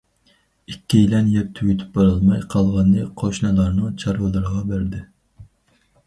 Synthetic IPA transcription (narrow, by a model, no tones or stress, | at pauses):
ikʲːilɛnjɛp̚t̪ʰyɡʲyt̪ʰy̥p̚bɑɾɑlˠmɑjqʰɑlˠʁɑnːɨqʰoʃnɨlˠɑɾnɨt͡ʃʰɑɾwɨlˠɨɾʁɑbæɾd̪ɪ